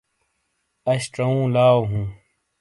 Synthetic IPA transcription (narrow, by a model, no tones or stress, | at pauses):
ɐɕʈ͡ʂɐũːlaːwɦũː